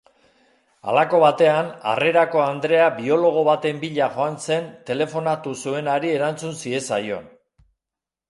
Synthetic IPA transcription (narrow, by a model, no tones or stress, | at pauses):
a̰lako̞βat̪e̞ana̰re̞ɾako̞and̪ɾe̞abio̞lo̞ɣ̞o̞βat̪e̞mbiʎaʝo̞anse̞nt̪e̞le̞fo̞nat̪usue̞naɾie̞ɾant͡sunsie̞sajo̞̰n